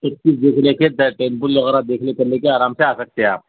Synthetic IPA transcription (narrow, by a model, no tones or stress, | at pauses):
sətkiːsd̪ekʰleked̪əʈenpulləɣɾad̪ekʰlekəɾlekeaːɾamseasək̚t̪eaːp